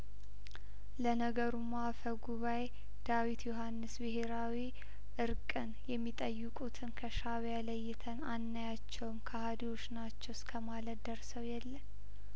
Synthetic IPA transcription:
lənəɡəɾumafəɡuβaj | d̪̥awit̪joɦanːɨsbɨɦe̞ɾawi | ʔɨɾkʼɨnjɛmːit̪ʼəjːɨkʼut̪ʰɨnkʰəʃaβjaləjːɪt̪ʰənanːajat͡ʃːɛwmkʰahad̪iwo̞t͡ʃnat͡ʃːɛwskʰəmalət̪d̪əɾsəwjɛlːən

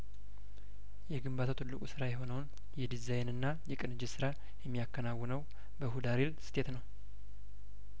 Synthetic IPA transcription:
jɛɡɨmbat̪ʰat̪ʰɨlːɨkʼusɨɾajɛɦo̞nəwn | jɛd̪izajnɨnːajɛkʼɨnɨd͡ʒɪsɨɾa | jɛmːijakːənawːɨnəw | bəhud̪aɾelsɨ̥t̪ʰet̪nəw

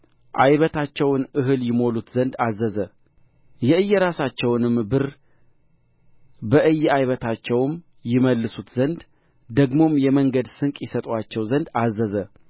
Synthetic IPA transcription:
ʔajβət̪ʰat͡ʃːɛwnʔɨɦɨljɪmo̞lut̪zənd̪azəzə | jɛɨjːɛɾasat͡ʃːɛwnɨmbɨɾ | bəʔɨjːajβət̪ʰat͡ʃːɛwm | jɪməlːɨsut̪zənd̪ | d̪əɡmo̞mjɛməŋɡəd̪sɨŋkʼjɪsət̪ʼwat͡ʃːɛwzənd̪azːəzə

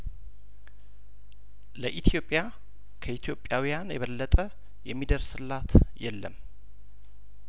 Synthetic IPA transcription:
ləʔit̪ʰjo̞pʼːja | kʰəit̪ʰjo̞pʼːjawijanjɛβəlːət̪ʼə | jɛmːid̪əɾsɨlːat̪jɛlːə̰m

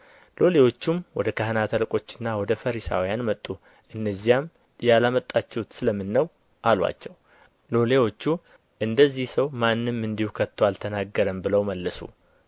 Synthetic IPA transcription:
lo̞le̞wo̞t͡ʃːumwɔd̪əkʰahnat̪ʰəlkʼo̞t͡ʃːɪnːawɔd̪əfəɾisa̰wjanmət̪ʼːu | ʔɨnːəzːijam | jalamət̪ʼːat͡ʃːɛwt̪sɨləmːɨnːəw | ʔalwa̰t͡ʃːɛw | lo̞le̞wo̞t͡ʃːu | ʔɨnd̪əzːihsəwmanːɨmːɨnd̪ihukʰət̪ʰːoalt̪ʰənaɡːəɾəmbɨləwməlːəsṵ

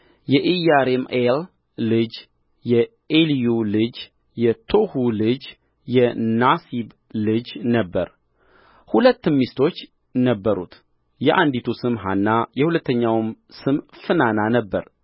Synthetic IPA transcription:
jɛʔijaɾemelː | ɨd͡ʒ | jɛ | elijulɨd͡ʒ | jɛt̪ʰo̞hulɨd͡ʒ | jɛnasib | lɨd͡ʒnəbːə̰ɾ | hulət̪ːɨmːist̪ʰo̞t͡ʃː | nəbːəɾṵt̪ | jɛʔand̪it̪ʰusɨmɦa̰nːajɛhulət̪ʰːəɲːawm | sɨmfɨnananəbːəɾ

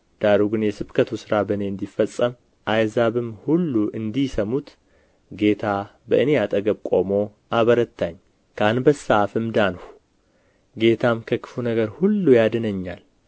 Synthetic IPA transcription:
d̪̥aɾuɡɨnjɛsɨbkʰət̪ʰusɨɾabəne̞ɨnd̪ifːəsʼːəm | ʔajzaβɨmhulːuʔɨnd̪isəmut̪ | ɡe̞t̪ʰabəʔɨne̞at̪ʼəɡəβkʼo̞mo̞ʔaβəɾət̪ːaɲː | kʰanbəsːaafɨmd̪anhu̥ | ɡe̞t̪ʰamkʰəkɨ̥funəɡəɾhulːujad̪ɨnəɲːal

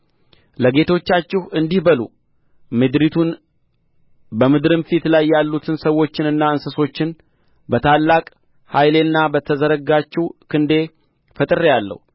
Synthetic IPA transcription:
ləɡe̞t̪ʰo̞t͡ʃːat͡ʃːɪhɨnd̪ihbəlṵ | mɨd̪ɾit̪ʰun | bəmɨd̪ɾɨmfit̪lajːalːut̪ʰɨnsəwo̞t͡ʃːɪnɨnːaɨnsəso̞t͡ʃːɪn | bət̪ʰalːakʼ | hajle̞nːabət̪ʰəzəɾəɡat͡ʃːɪwkʰɨnd̪e̞ | fət̪ʼɨɾejalːə̰hu

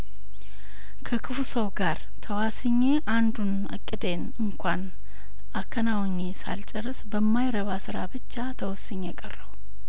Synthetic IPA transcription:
kʰəkʰɨfusəwɡaɾ | t̪ʰəwasɨɲːe̞ʔand̪un | ɨkʼːɨd̪en | ɨŋkʷan | akʰːənawɲːesa̰lt͡ʃʼɐrːɨsbəmːajɾəβasɨɾabɨt͡ʃːat̪ʰəwɔsɨɲːekʼərːəw

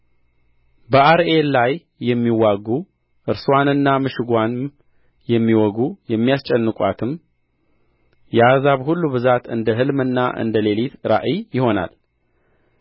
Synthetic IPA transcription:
bəaɾe̞llajː | ɛmːiwaɡu | ʔɨɾswanɨnːamɨʃɨɡʷan | jɛmːiwɔɡujɛmːijast͡ʃʼɛnːɨkʼwa̰t̪ʰɨm | jɛazaβhulːuβɨzat̪ɨnd̪əɦɨlmɨnːa̰ʔɨ̰nd̪əle̞lit̪ɾa̰ʔijɪho̞na̰l

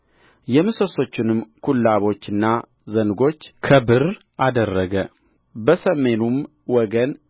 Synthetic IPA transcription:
jɛmɨsoso̞t͡ʃːɪnɨmkʰulːaβo̞t͡ʃːɨnːa | zənɡo̞t͡ʃːkʰəbɨr | ʔad̪ərːəɡə | bəsəme̞num | wɔɡən

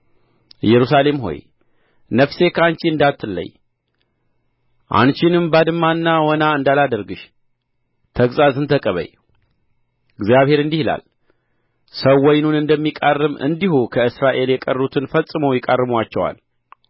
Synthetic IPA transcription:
ɨjɛɾusale̞mɦo̞̰j | nəfse̞kʰant͡ʃiɨnd̪at̪ʰːɨlːə̰j | ʔa̰nt͡ʃɪnɨmbad̪ɨmːanːawɔnaɨnd̪alad̪əɾɡɨʃ | t̪ʰəɡzazɨnt̪ʰəkʼəβə̰j | ɨɡzjaβhe̞ɾɨnd̪ihila̰l | səwːɔjnunɨnd̪əmːikʼarːɨmɨ̰nd̪ihukʰəɨsɾaʔe̞ljɛkʼərːut̪ʰɨnfəsʼːɨməwjɪkʼarːɨmwat͡ʃːɛwa̰l

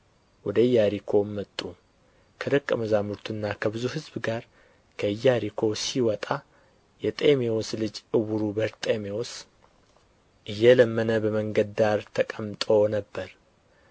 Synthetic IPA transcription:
wɔd̪əɨjaɾikʰo̞mːət̪ʼːu | kʰəd̪əkʼːəməzamɨɾt̪ʰunːakʰəbɨzuhɨzbɨɡaɾ | kʰəjːaɾikʰo̞siwɔt̪ʼa | jɛt̪ʼemeoslɨd͡ʒɨwuɾubəɾt̪ʼemeos | ʔɨjːɛləmːənəbəməŋɡəd̪aɾt̪ʰəkʼəmt̪ʼonəbːəɾ

